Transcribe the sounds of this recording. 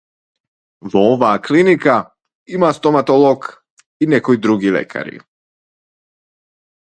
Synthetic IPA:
ʋooʋaːklinika | imast̪omat̪oloɡ | inekojd̪ɾuɡilḛkʰa̰ɾḭ

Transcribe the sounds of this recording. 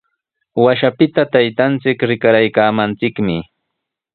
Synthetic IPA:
waʃapɪt̪at̪ajt̪ant͡sɪkɾɪkaɾajkaːmant͡sɪkmɪ

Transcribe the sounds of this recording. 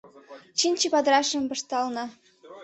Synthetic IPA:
t͡ɕinʲt͡ɕipɑd̪ɾɑʃə̆mbɤ̆ʃt̪ɑlnɑ

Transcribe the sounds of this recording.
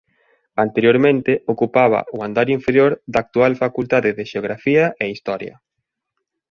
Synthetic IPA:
ant̪eɾjoɾmẽnt̪ɪokupaβɐ̰uand̪aɾiɱfeɾjoɾðaːk̚t̪ualfakult̪aðɪðɪʃeoɣ̞ɾafiɐʔeist̪ɔɾjɐ̰

